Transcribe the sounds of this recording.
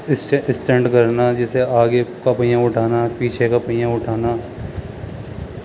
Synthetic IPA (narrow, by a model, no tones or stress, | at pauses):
sʈsʈẽːɳɖkɐɾnad͡ʒɛːseaːɡekapɐjãʊʈʰaːnapiːt͡ʃʰekapəɪjãʊʈʰaːna